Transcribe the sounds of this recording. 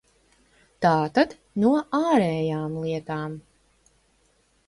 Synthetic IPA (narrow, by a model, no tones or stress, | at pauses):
t̪aːt̪ad̪ | nuɔʔaːɾɛːjaːmlˠiɛt̪aːm